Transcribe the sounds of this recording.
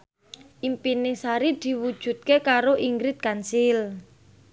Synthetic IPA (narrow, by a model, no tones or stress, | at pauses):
ʔimpinɪŋsaɾid̪̥i̤wud̥ʒ̥ṳt̪̚kekaɾoʔiŋɡɾɪt̪̚kansil